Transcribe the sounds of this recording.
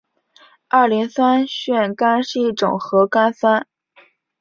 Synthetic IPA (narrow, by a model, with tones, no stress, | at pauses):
a˞˥˩li˧˥ŋsa˥nɕɥɛ˥˩nka˥nʂɻ̩˥˧i˥˩ʈ͡ʂʊ̰˨˩ŋxɤ˧˥ka˥nsa˥n